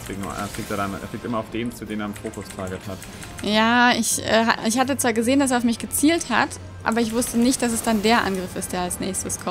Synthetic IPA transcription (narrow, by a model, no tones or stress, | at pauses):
eɡŋn̰ḛɐflikteɐɾanḛɐflik̚tʔɪmɐaʊfd̥eːmt͡sudeːneɐɪfoːkʊstʰaːɡəthat | jaːɪçʔɛ̰ːɦa̰ɪçhatət͡sv̥aːɡəzeːəndas̬eːɐaʊfmɪçɡ̥ət͡siːltha̰t | ʔa̰ːbɐɪçv̥ʊstənɪçt̚d̥as̬ɛsd̥andeːɐʔa̰nɡʁɪfɪst̚d̥eːɐalsnɛ̰ːçstəskʰɔ